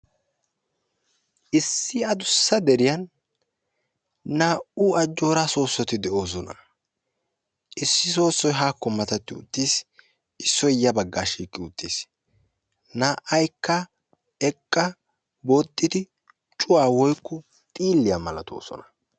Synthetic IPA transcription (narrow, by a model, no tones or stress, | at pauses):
ʔɪsːɪɐd̪ʊsːɐd̪ɛɾɪjɐn | aːʔuːɐd͡ʒːo̞ːɾaso̞ːsːɔt̪ɪd̪ɛʔo̞ːs̬ɔnɐ̰ | ʔɪsːɪs̬o̞ːsːɔjɦaːkːɔmɐt̪ɐt̪ːɪʊ̰t̪ʼːiːs | ɪsːɔjjɐbɐɡːaːʃiːkʼːɪʊt̪ʼːiːs | naːʔɐjkːɐ | ɛkʼːɐ | boːt̪ʼːɪd̪ɪ | t͡ʃʼʊwaːwɔjkːʊ | t̪ʼiːlːɪjamɐlɐt̪ʰo̰ːsɔ̰nɐ̥